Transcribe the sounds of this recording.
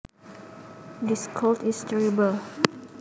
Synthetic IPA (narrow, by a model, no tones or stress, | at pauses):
diskʰoltistʰɛɹibəl